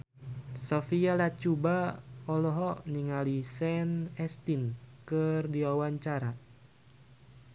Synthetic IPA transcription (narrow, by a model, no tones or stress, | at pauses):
sɔfialat͡ʃubaɔlɔɦɔniŋalisɛnɛst̪inkɨrdiawaɲt͡ʃaɾa